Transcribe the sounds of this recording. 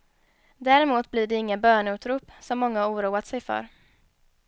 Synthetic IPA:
d̪æːɾɪmuːt̪̚bliːɖɛɪŋːənbœːɳʉ̟ːt̪ɾuːpsɔmːɔŋːaauːɾuːat̪sɛjfœ̰ɾ

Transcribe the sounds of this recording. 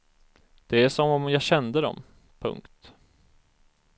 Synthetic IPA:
d̪̥ɛæʂɔmɔmjɑːɕɛnd̪əd̪ɔ̰m | pʰɵ̰ŋkt̪

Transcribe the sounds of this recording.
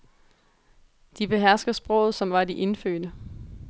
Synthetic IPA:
d̥ib̥e̝ɦæɐ̰sɡ̥ðˠsb̥ʁɔ̽ʊ̰ð̞̩ˠsɒ̽mʋɑ̈diʔe̝nfø̰ːd̥ə

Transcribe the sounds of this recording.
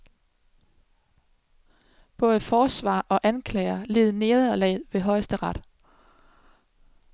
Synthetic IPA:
b̥ɔ̽ːðˠəfɒːsʋɑ̰̈ːʔɒ̽ʔænkʰlɛɪɐle̝ːð̞̩ˠne̝ːðˠɐlɛ̰ðˠʋe̝ɦɒ̽ɪsd̥əʁɑd̥

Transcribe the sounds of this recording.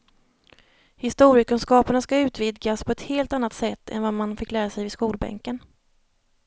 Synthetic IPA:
hɪst̪uːɾjəkɵnskɑːpaɳaskaʉ̟ːt̪vɪd̪ɡaspʰɔɛt̪heːlt̪anːat̪sɛt̪ʰːɛ̰nvamanfɪkːlæːɾasɛjvɪskuːlbɛ̰ŋkən

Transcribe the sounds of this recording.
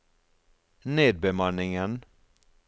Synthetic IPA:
neːd̪̚bəmanːɪŋən

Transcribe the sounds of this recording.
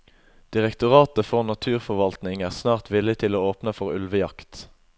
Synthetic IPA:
d̪̥ɪʁɛkt̪ʊʁɑːt̪əfɔʁnɑt̪ʰʉːʁfɔʋɑlt̪nɪŋæːʁsnɑːʁt̪ʋɪlɪt̪ʰɪloːoːpnəfɔʁʉ̰lʋəjɑkt̪

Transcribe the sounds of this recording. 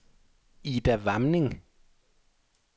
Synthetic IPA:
id̥æʋamneŋ

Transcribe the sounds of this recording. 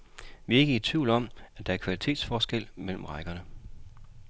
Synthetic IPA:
ʋie̝ɡ̥ə̥iɐt͡sʰʋiʊ̰lɒ̽m̰æd̥ɑ̈æɐkʰʋælit͡sʰe̝̰ːd̥sfɒːsɡ̥el̰mel̰m̩ʁɑ̈ɪɡ̥ɐnə

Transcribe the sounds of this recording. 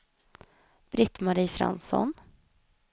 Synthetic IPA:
b̥ɾɪt̪maɾiːfɾa̰nsɔ̰n

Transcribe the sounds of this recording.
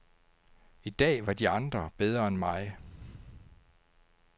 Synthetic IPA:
id̥ɛ̰ːʋɑ̈d̥iɑ̈nd̥ʁɐb̥eð̞ˠʁɐenmɑ̈ɪ

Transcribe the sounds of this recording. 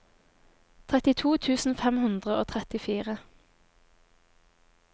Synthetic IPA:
t̪ʰʁɛt̪ɪt̪ʰuːt̪ʰʉːsn̩fɛmhʉnd̪ʁəʔoːt̪ʰʁɛt̪ɪfiːʁə

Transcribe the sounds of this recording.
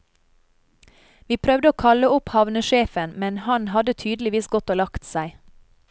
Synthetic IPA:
ʋiːpʰɾœʋd̪əoːkʰɑləʊphɑʋnəʃeːfənmɛnhɑnhɑd̪ət̪ʰyːd̪l̩ɪʋiːsɡɔt̪oːlɑkt̪sæɪ

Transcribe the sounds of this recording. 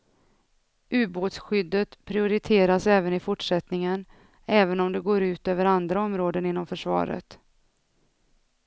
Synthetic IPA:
ʉ̟ːboːt̪sɧʏd̪ːət̪pʰɾɪʊɾɪt̪ʰeːɾasɛːvənɪfʊʈʂɛt̪nɪŋən | ɛːvənɔmd̪ɛɡoːɾʉ̟ːt̪øːvəɾand̪ɾaɔmɾoːd̪ənɪnːɔmfœʂvɑ̰ːɾə̰t̪

